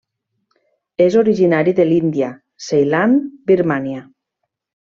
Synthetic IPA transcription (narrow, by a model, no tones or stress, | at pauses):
ezoɾiʒinaɾiðelind̪ja | sejlanbiɾmanja